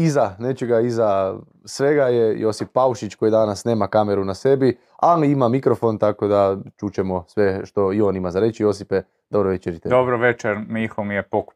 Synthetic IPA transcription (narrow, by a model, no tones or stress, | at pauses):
izane̞t͡ʃeɡaiza | sʋe̞ɡajejo̞sipːauʃit͡ʃko̞jid̪anasne̞ːmakame̞ɾunase̞bi | aliimamikɾo̞fo̞nt̪ako̞d̪at͡ʃut͡ʃe̞mo̞sʋe̞ʃt̪o̞io̞nimazaɾe̞t͡ʃijo̞sipe | d̪̥obɾoʋet͡ʃeɾit̪ed̪obɾoʋet͡ʃeɾmixomijepok